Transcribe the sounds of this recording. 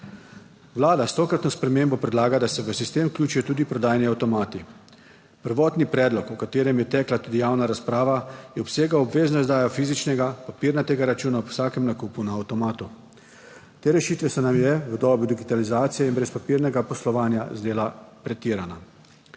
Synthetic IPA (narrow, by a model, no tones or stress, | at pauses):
ʋlaːd̪ast̪okɾat̪nɔspɾɛmeːmbɔpɾɛd̪laːɡad̪asɛʋəsist̪eːmklʲjuːt͡ʃijɔt̪uːd̪ipɾɔd̪aːjniawt̪ɔmaːt̪i | pəɾʋɔːt̪nipɾɛːd̪lɔkɔkat̪eːɾɛmjɛt̪ɛːklat̪uːd̪ijaːwnaɾaspɾaːʋajɛɔpseːɡaɔbʋeːznɔizd̪aːjɔfizit͡ʃnɛɡapapiːɾnat̪eːɡaɾat͡ʃuːnaɔwsaːkɛmnakuːpunaːwt̪ɔmaːt̪u | t̪eːɾɛʃiːt̪ʋɛsɔnamjɛʋəd̪ɔːbud̪iɡit̪alizaːt̪sijɛinbɾɛspapiːɾnɛɡapɔslɔʋaːnjazd̪eːlapɾɛt̪iːɾana